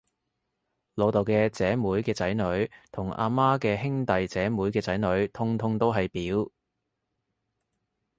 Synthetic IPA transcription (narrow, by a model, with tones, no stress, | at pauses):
lo˨˧wt̪o˨˩wkɛː˧t͡sɛː˨˥muː˨˥jkɛː˧t͡sɐ˨˥jnɵ˨˥ɥt̪ʰʊ˨˩ŋʔa̰ː˧maː˥kɛː˧ɦɪ˥ŋt̪ɐ˨jt͡sɛː˨˥muː˨˥jkɛː˧t͡sɐ˨˥jnɵ˨˧˥ɥt̪ʰʊ˥ŋt̪ʰʊ˥ŋt̪o˥wɦɐ˨jpiː˨˥w